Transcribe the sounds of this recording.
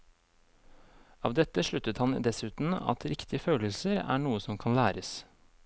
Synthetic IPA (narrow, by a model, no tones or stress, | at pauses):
ɑːʋd̪ɛt̪ːəʂɭʉt̪ət̪hɑnd̪ɛsʉːt̪n̩ɑ̰t̪ʰɾɪkt̪ʰɪəføːləlsəɾæ̰ːɳuːəsɔmkʰɑnlæːɾəs